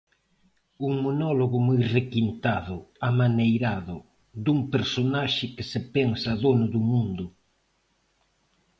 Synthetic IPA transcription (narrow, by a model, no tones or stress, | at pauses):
uŋmonɔloɣʊmujrekint̪aðʊamanejɾaðʊ | ðuŋpeɾsonaʃɪkɪsɪpɛŋsaðonʊðʊmũnd̪ʊ